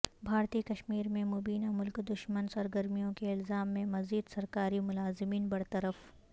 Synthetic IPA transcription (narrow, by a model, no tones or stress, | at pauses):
bʱaːɾt̪ikɐʃmiːɾmẽmobiːnamʊlkd̪ʊʃmənsɐɾɡəɾmijõkeɪlzaːmːẽmɐziːd̪sɐɾkaːɾimʊlaːzɪmiːnbɐɽt̪ɐɾəf